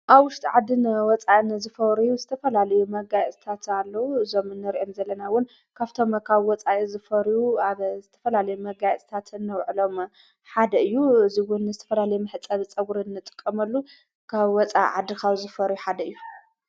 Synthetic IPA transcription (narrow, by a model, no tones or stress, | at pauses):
ʔaβwʊʃt̪ʼiʕad̪ːɨnwɔt͡sʼaʔɨnzɨfɐɾujuzɨt̪ʰɐfɐlalɐjumɐɡajt͡sʼi̥t̪ʰat̪alːɐwuɨzo̞mɨnːɨɾiʔo̞mzɐlːɐnawʊn | kʰaβt̪ʰo̞mkʰaβwɔt͡sʼajizɨfɐɾjuaβzɨt̪ʰɐfɐlalɐjumɐɡajt͡sʼt̪ʰat̪ɨnːɐwʕɨlo̞m | ħad̪ɐɨjːuɨziwʊnzɨt̪ʰɐ̥fɐlalɐjumɨħɨt͡sʼɐβt͡sʼɐɡuɾinːɨt̪ʼɨ̥kʼːɐmɐlːu | kʰaβwɔt͡sʼa̰ʕad̪ːikʰawzɨfɐɾjuħad̪ɐɨjːu